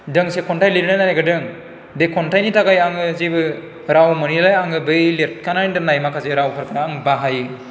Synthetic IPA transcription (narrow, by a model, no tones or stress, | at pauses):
dɯŋsekʰɔntajliɾnɯnajaɡɯdɯŋ | bekʰɔntʰajnitʰaɡajaŋɯzebɯ | ɾawmɯnilajaŋɯbɯjlet̚kʰanajndɯnajmakʰazeɾawkʰɯɾkʰɯɾaaŋbaɦajɯ